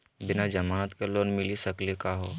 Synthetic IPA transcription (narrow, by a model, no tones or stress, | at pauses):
bɪnad͡ʒɐmanat̪keloːnmɪlisəklikaɦo